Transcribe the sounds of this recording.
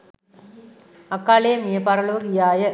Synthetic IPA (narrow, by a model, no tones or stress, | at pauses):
ɐkːaːlejɐmijɐpɐɾɐɭoːɡijaːjɐ